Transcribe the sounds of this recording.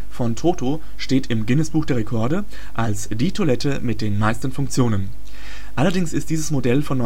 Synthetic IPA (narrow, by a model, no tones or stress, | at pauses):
fɔntʰoːto | ʃteːtɪmɡɪnəsb̥uːxd̥eːʁekʰɔɐdə | ʔalsd̥iːtʰolɛtʰəmɪt̚d̥eːnmaɪstn̩fʊŋk̚t͡sjoːnən | ʔalɐdɪŋsɪstd̥iːzəsmodɛlfɔnːɔ